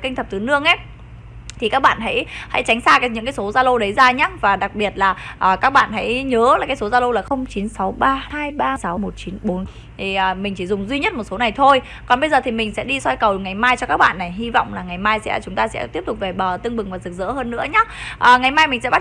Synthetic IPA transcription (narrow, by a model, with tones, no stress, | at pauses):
ki˧ŋt̪ʰə˨˩p̚t̪ɨ˨˦nɨ˧˥əŋʔe˨˦˥ | t̪ʰi˨˩kaː˦˥k̚ɓa̰ː˧˨nɦa̰˧˥jha̰˧˥jt͡ɕa˨˦ŋ̟saː˧kaː˨˦jɲɨ̰˧˥kaː˨˦jso˨˦zaː˧lə˧wɗə˨˦jzaː˧ɲaː˦vaː˨˩ɗa˨˩k̚ɓi˨˩ət̚laː˨˩ʔəː˨˩kaː˦˥k̚ɓa̰ː˧˨nɦa̰˧˥jɲəː˨˦laː˨˩kaː˨˦jso˨˦zaː˧lə˧wlaː˨˩xə˧wŋ͡mt͡ɕi˨˦nsa˨˦wɓaː˧haː˧jɓaː˧sa˨˦wmo˨˩t̚t͡ɕi˨˦nɓo˨˦n | t̪ʰi˨˩ə˨˩mï˨˩ŋ̟t͡ɕi˧˩zʊ˨˩ŋ͡mzwi˧ɲə˦˥t̚mo˨˩t̚so˨˦na˨˩jt̪ʰo˧j | kɔ˨˩nɓə˧jzəː˨˩t̪ʰi˨˩mï˨˩ŋ̟sɛ̰˧˥ɗi˧swa˧jkə˨˩wŋa˨˩jmaː˧jt͡ɕɔ˧kaː˦˥k̚ɓa̰ː˧˨nːa˨˩jɦi˧vɔ̰˧˨wŋ͡mlaː˨˩ŋa˨˩jmaː˧jsɛ̰˧˥t͡ɕʊ˨˦ŋ͡mt̪aː˧sɛ̰˧˥t̪i˦˥əp̚tʊ˨˩k͡p̚ve˨˩ɓəː˨˩t̪ɨ˧əŋɓɨ˨˩ŋvaː˨˩zɨ˨˩k̚zə̰ː˧˥həː˧nːɨ̰˧˥əɲaː˨˦˥ʔəː˨˩ŋa˨˩jmaː˧jmï˨˩ŋ̟sɛ̰˧˥ɓ